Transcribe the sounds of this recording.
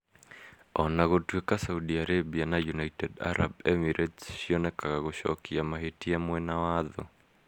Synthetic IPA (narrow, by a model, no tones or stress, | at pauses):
ɔnaɣotwekasaudiaɾebianajunaitɛda̰ɾa̰bɛmiɾʔetsʃionɛkaɣaɣoʃɔ̰kiamaɦetiamwɛnawaðɔ̰